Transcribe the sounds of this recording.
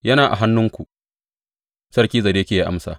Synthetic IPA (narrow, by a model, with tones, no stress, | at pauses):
jɐ˦naː˨ʔa̰˨ɦa˦nːʊ˦ŋkʷu˨ | sɐ˦rkʲiː˦zɐ˨deː˦kʲeː˨ja˦ʔa̰˦msa̰ː˨